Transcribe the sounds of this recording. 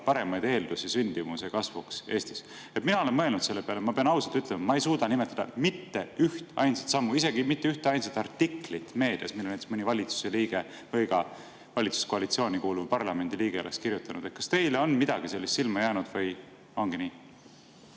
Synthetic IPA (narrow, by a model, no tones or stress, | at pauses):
pɑɾe̞mɑjd̪e̞ːld̪usisynʲd̪̥ivusekɑsvukse̞ːst̪i̥s | e̞t̪minɑo̞le̞nmɤ̞e̞lnud̪se̞lːe̞peɑlemɑpe̞ɑnɑwsɑlt̪yt̪ːˑlemɑmɑejsuːd̪̥ɑnime̞t̪ːˑɑd̪̥ɑ̰mit̪ːe̞yht̪ɑ̰jnsɑt̪sɑmːuise̞ɡ̥imit̪ːeyht̪eɑjnsɑt̪ːˑɑrt̪ːiklit̪me̞ːd̪̥iɑ̰smilːnet̪ːe̥smɤnʲivɑlʲit̪su̥se̞liːɡ̥e̞ | vɤjɡɑ | vɑlʲit̪su̥skoɑlit̪sio̞ːnʲikuːluvujpɑrlɑme̞nd̪̥iliːɡ̥e̞olest̪kiɾjut̪ːˑɑnṵd̪̥et̪̚kɑ̥st̪e̞jleo̞nmid̪̥ɑɡ̥ise̞lːist̪silmɑjæːnud̪̥vɤj | o̞ŋɡ̥iniː